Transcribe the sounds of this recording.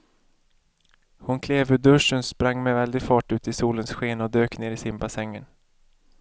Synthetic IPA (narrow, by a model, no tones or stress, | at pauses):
hʊnkʰleːvɵd̪ɵʂənspɾaŋːmɛvɛld̪ɪɡfɑːʈʉ̟ːt̪ɪsuːlənsɧeːnaɔd̪øːkneːɾɪsɪmbasɛŋːən